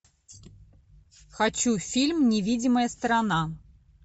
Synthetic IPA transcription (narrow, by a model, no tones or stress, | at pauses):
xat͡ɕufʲilʲmnʲɪvʲidʲɪməjəst̪ɾana